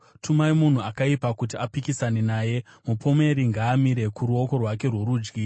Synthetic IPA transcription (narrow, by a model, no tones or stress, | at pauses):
tʰumaimun̤uakaipakut̬iapikisane̞naːje̞mupʰo̞me̞ɾiŋɡaːmiɾe̞kuɾuo̞ko̞rwake̞rwoɾuːd͡ʒɡi